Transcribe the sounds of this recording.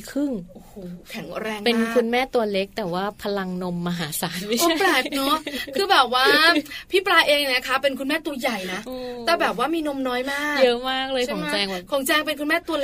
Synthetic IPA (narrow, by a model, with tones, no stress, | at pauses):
kʰɯ˥˩ŋʔoː˨˩ho˨˩kʰɛ˨˩˦ŋɾɛː˧ŋpe˧n˦kʰu˧nmɛː˥˩t̪u˧ɐle˦˥k̚t̪ɛː˨˩waː˥˩pʰa˧la˧ŋno˧mːa˧ɦaː˩˦saː˩˦nʔoː˧˦plɛː˨˩p̚nɔ˦˥kʰɯː˧bɛː˨˩p̚waː˥˩pʰiː˦˥˩plaː˧jʔeː˧ŋna˦˥kʰa˦˥pe˧nkʰu˧nmɛː˥˩t̪u˧ɐja˨˩jna˦˥ʔt̪ɛː˨˩bɛː˨˩p̬̚waː˥˩miː˧no˧mnɔː˦˥jmaː˥˩k̚jɤ˦˥maː˥˩k̚lɤː˧jʰo˨˥˩t͡ɕɛː˧ŋbːkʰo˨˩˦ŋt͡ɕɛː˧ŋp̬e˧nkʰu˧nmɛː˥˩t̪u˧l